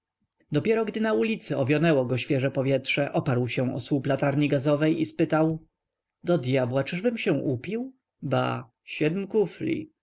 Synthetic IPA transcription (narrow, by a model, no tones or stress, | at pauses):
d̪ɔpʲjɛɾɔɡd̪ɘnaulʲit̪sɘɔvʲjɔnɛwɔɡɔɕfʲjɛʐɛpɔvʲjɛtʂɛʔɔpaɾwɕɛ̃ɔ̰swuplat̪aɾɲiɡazɔvɛjispɘt̪aw | d̪ɔd̪jabwat͡ʂɘʐbɘmɕɛ̃ʔupʲiw | ba̰ | ɕɛd̪mkuflʲḭ